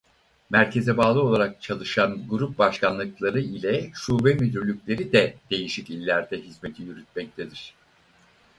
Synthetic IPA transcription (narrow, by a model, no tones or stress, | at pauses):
mæɾcʰe̞zɛbaːlˠɯo̞lˠaɾak̚t͡ʃʰalˠɯʃanɡuɾup̚baʃkanlˠɯklˠaɾɯilʲɛʃuːbɛmyd̪yɾlʲycʲlʲe̞ɾid̪ɛd̪̥e̞jiʃicilʲːæɾd̪ɛɦizme̞t̪ʰijyɾyt̪̚mɛc̚t̪ʰed̪iɾ̝̥